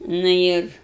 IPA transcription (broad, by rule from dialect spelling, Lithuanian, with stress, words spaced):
nʊ ˈɪr